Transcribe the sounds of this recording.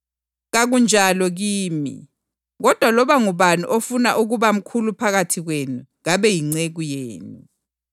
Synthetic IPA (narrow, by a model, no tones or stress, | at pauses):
ɣaɣund͡ʒʱalɔɣiːmḭ | ɣɔd̥ʱwalɔβaŋuβanṵʔofunaʔuɣuβam̩kʰulupʰaɣatʰiɣwenuɣaβɛjiŋ͡ǀeɣujeːnu